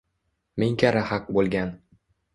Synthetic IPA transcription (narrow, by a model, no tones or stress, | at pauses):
mɪŋkʲʰaɾahaq̚bolˠɡʲan